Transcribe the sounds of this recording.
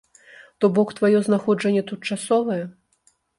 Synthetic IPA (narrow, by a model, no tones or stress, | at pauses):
t̪ɔbɔkt̪vajɔznaxɔʐɐnʲːɛt̪ut̪̚t͡ʂasɔvɐjɛ